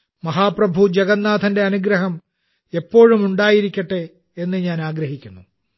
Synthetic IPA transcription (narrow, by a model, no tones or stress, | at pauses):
mɐɦaːprɐbʱud͡ʑeɡɐnːaːd̪ʰʱɐnde̞ɐnuɡɾɐɦɐm | e̞pːo̞ːɻumuɳɖaːjiɾikʲːɐʈːe | e̞nːɨɲaːnaːɡɾɐɦikʲːunːu